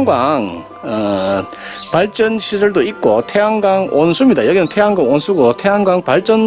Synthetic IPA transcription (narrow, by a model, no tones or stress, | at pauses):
ŋɡwaŋ | ʌ | paɭt͡ɕ͈ʌnɕʰisʰɯɭdoik̚k͈otʰe̞ɦaŋɡaŋʔonsʰumɲidajʌɡinɯntʰeɦaŋɡwaŋonsʰuɡotʰe̞ɦaŋɡwaŋpaɭt͡ɕ͈ʌn